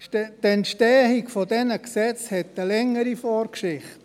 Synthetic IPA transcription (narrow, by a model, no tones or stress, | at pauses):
t̪ɛntʃtɛːhikfodɛnəksɛt͡shɛt̪əlɛŋːəɾifoːɾkʃɪχt